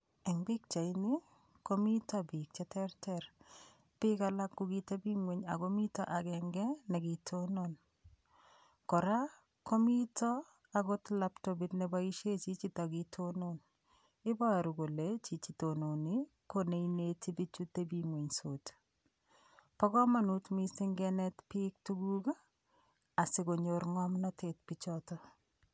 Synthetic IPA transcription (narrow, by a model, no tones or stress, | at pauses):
ɛŋbik̚t͡ʃaini | komitɔbik̚t͡ʃɛtʰɛrtɛr | pikalakːukitebiŋweɲa̰komitɔ̰ʔakɛŋɡɛnekitʰonon | kɔɾa | komitɔ | akotlaptobitnebaiʃet͡ʃit͡ʃitɔkitʰonon | ɪbaɾukolet͡ʃit͡ʃitononi | koneinetibit͡ʃutebimweɲsot | pɔkɔmanutmisɪŋɡɛnɛtpik̚tuɡuka | asɪkoɲoɾŋɔmnɔtetpit͡ʃɔtɔ